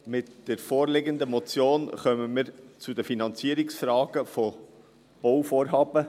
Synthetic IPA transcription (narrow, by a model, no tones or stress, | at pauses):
mɪtd̥ɛɾfoːɾlɪɡənd̪əmɔt͡sjoːnχœməməɾt͡sud̪əfinɑnt͡siəɾɪksfɾɑːɡ̥əfɔ | b̥owfoːɾɦɑːb̥ə